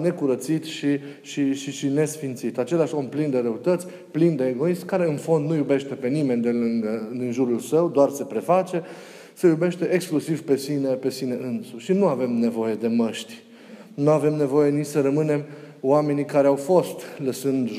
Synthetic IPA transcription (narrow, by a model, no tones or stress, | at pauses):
ne̞kuɾət̪sit̪ʃi | ʃiʃiʃine̞sfint̪sit̪at͡ʃe̞laʃo̞mplind̪e̞ɾeut̪ət̪sʲ | plind̪e̞ːɡo̞ismkaɾe̞ɨnfo̞nd̪nujube̞ʃt̪e̞pe̞nime̞nʲd̪elɨŋɡəd̪inʒuɾulsəwd̪oarsepɾe̞fat͡ʃe̞ | sejube̞ʃt̪e̞ʔeksklusivpe̞sinepe̞sine̞ʔɨnsuʃinuave̞mne̞vo̞je̞d̪e̞məʃt̪ʲ | nuave̞mne̞vo̞je̞nit͡ʃsəɾəmɨne̞m | wame̞nikaɾeawfo̞st̪ləsɨnd̪ʒ